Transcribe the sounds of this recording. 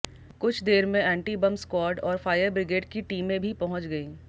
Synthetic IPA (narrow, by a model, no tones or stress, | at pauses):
kʊt͡ʃʰd̪eːɾmẽɛ̃ːɳʈibɐ̃mskwɔːɾʈɔːɾfaːjəɾbɾɪɡeːɖkiʈiːmẽbʱipɐɦʊ̃t͡ʃɡɐiː